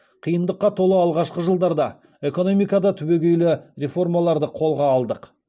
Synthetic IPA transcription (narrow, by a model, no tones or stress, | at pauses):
qʰijənd̪əqːɑt̪ʰo̞lˠəɑlˠʁɑʃqəʒəlˠd̪ɑɾd̪ɑ | e̞ko̞no̞mijkɑd̪ɑt̪ʰʏbe̞ɡʲe̞jlɪɾe̞fo̞rmɑlˠɑɾd̪əqʰo̞lˠʁɑːlˠd̪əq